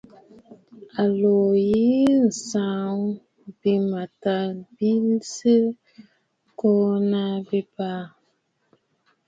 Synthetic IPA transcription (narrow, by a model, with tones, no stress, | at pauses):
a˨lo˨ji˦n̩˨sa˨˦ŋ˦ | bi˦ma˨ta˦bi˦lsi˦ | ko˦na˦bi˦pa˦